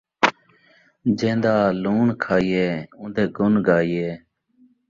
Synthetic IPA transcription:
d͡ʒẽːnd̪aːluːɳkʰaːijeːʊ̃nd̪eːɡʊnɡaːijeː

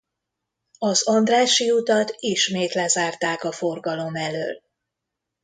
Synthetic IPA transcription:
ɒzɒnd̪raːʃiut̪ɒt̪iʃmeːt̪lɛzaːrt̪aːkɒfo̞rɡɒlo̞mɛlø̰ːl

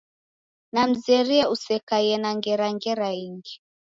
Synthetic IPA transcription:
nam̩zɛɾiɛusɛkajɛnaŋɡɛɾaŋɡɛɾaiŋɡi

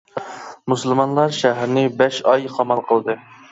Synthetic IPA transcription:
musɨlˠmɑnlˠɑɾʃæɦæɾnɪbɛʃɑjχʰɑmɑlˠqʰəlˠd̪ɨ

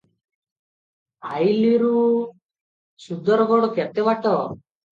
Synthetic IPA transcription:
ajliɾu | sud̪ʱɔɾɡɔɽɔket̪eβaʈɔ

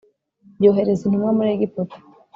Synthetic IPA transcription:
ɟoːɦeɾezinimwamuɾeɡipoto̥

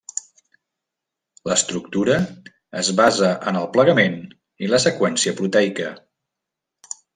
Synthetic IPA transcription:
ləst̪ɾuk̚t̪uɾə | əzβazəʔənəlˠpləɣəmen | iləsəkwɛnsiəpɾut̪ɛjkə

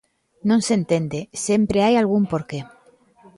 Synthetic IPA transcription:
nõnsent̪end̪esempɾeajalɣ̞umpoɾke

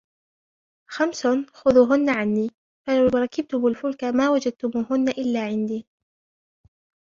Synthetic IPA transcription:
xamsʊxʊðuːɦʊnːaʕanːiː | falawɾˤɑkɪb̚t̪ʊmʊlfʊlkamaːwad͡ʒad̪̚t̪ʊmuːɦʊnːaʔɪlːaːʕɪnd̪iː

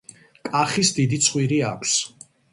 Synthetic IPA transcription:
kʼaχisd̪id̪it̪sʰχwiɾiakʷʰs

